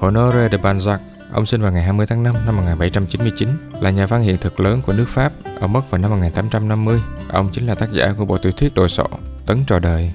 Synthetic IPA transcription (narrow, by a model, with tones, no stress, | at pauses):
ho˧˨no˧ze˧ɗe˨˩ɓaː˧nza˦˥k̚ | ʔə̰˧wŋ͡msi˧nvaː˨wŋa˨˩jɦaː˧jmɨ˧əjt̪ʰaː˨˦ŋna˧mna˧mːo˨˩t̚ŋaː˨˩ɓa˧˩jt͡ɕa˧mt͡ɕi˨˦nmɨ˧əjt͡ɕi˨˦nlaː˨˩ɲaː˨˩faː˧ŋhḭ˧˨ənt̪ʰɨ˨˩k̚ləː˨˦nku˧˩ənɨ˦˥k̚faː˦˥p̚ʔəː˧˩mə˦˥t̚vaː˨˩wna˧mːo˨˩ŋaː˨˩nt̪aː˨˦mt͡ɕa˧mna˧mːɨ˧əjʔə̰˧wŋ͡mt͡ɕï˨˦ŋ̟laː˨˩t̪aː˦˥k̚za̰ː˧˩ku˧˩əɓo̰˧˨t̪wt̪ʰi˦˥k̚ɗo̰˧˨jsɔ̰˧˩˨t̪ə˨˦nt͡ɕɔ˧˩ɗəː˨˩j